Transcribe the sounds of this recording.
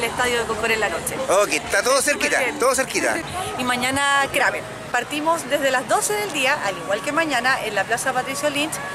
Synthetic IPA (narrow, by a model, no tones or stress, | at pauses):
lest̪aðjoðekokoɾelːanot͡ʃeoket̪at̪oðoseɾkit̪a̰t̪oðos̬eɾkit̪a̰imaɲanakɾame | paɾt̪imosd̪ezðelazðo̞seðeld̪iaʔaliɣwalkemaɲanaʔenlaplasapat̪ɾisjolint͡ʃ